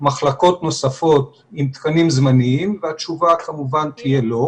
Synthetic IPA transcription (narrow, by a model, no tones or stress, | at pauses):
maχlako̞t̪no̞safo̞t̪ | imt̪kanimzmaniimveat͡ʃuvakamuvant̪ije̞lo̞